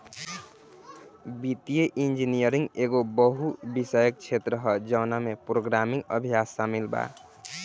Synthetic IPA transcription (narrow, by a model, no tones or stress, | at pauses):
bit̪jeʔind͡ʒinijəɾĩŋɡeɡobəɦubisəjək̚t͡ʃʰet̪ɾəɦʌd͡ʒʌwnamepɾoɡɾamĩŋɡə̰bʱijasːamilba̰